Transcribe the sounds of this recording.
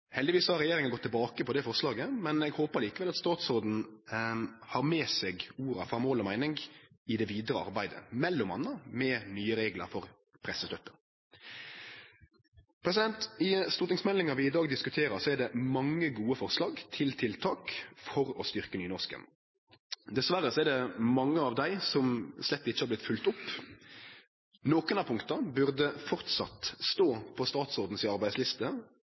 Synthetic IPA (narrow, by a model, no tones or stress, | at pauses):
hɛld̪ɪʋiːsɔhɑɾɛjeːɾɪŋənɡɔt̪ːɪlbɑːkəpʰɔd̪ɛfɔɾslɑːɡəmɛnɛɡhoːpəɾliːkəʋɛlɑt̪st̪ɑːt̪soːd̪n̩ | hɑːɾmeːsɛɡuːɾɑ̰fɾɑmoːlɔmæɪnɪŋɡ | ɪd̪ɛʋiːd̪ɾəɑ̰ɾbæɪd̪ə̰mɛlːʊmɑ̰nːəmɛːnyːəɾeːɡlə̰ɾfɔɾ | pʰɾɛsəst̪œpːə | pʰɾɛs̬ɪd̪ɛnt̪ɪst̪ʊɾt̪nɪŋsmɛlːɪŋɑʋɪɪd̪ɑːɡd̪ɪskʉt̪ʰeːɾəɾsɔæɖ̪ɛmɑŋːəɡuːəfɔʁslɑːɡt̪ʰɪlt̪ʰɪlt̪ʰɑːkfɔɾɔst̪ʏʁkənyːnɔʁskə̰n | d̪ɛsʋæɾːəsɔɛɖ̪ɛmɑŋːəɑːʋd̪æɪsɔmslɛt̪ːɪçəhɑʁb̪lɪt̪fʉlt̪ʊpː | noːkʊnɑːpʰʊŋkt̪əbʉʁd̪əfɔʁt̪sɑ̰t̪st̪oːpʰɔst̪ɑːt̪sɔːʁd̪n̩sɪɑɾʁbæɪslɪst̪ə